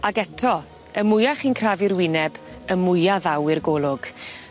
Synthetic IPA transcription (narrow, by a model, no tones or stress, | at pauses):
aɡɛtʰɔ | əmʊjaχinkʰraːvɪrwɪnɛbəmʊjaðawɪrɡolˠʊɡ̥